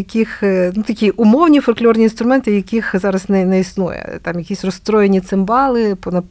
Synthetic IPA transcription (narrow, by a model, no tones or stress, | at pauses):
jɐkʲixnut̪ɐkʲiʔʊmɔwnʲifɔlʲklʲɔrnʲinst̪ɾʊmɛnt̪ɪjɐkʲixzɑɾɐznɛnɛisnujɛ̰t̪ɑmjɐkʲisʲrɔst̪ɾɔjenʲit̪sɪmbɑlˠɪpɔnɐ